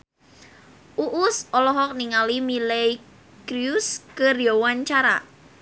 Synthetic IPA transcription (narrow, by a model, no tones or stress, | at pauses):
ʔuʔʊsʔɔlɔɦɔk̚niŋalimilej | kɾiuskərijowaɲt͡ʃaɾa̰